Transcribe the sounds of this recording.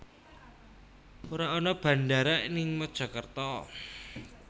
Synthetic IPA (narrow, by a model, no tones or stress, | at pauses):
uɾaɔnɔb̥a̤ndaɾaʔinɪŋmɔd̥ʒ̥ɔ̤kərt̪ɔ